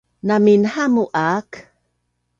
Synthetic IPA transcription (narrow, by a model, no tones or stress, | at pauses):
naminhamuʔak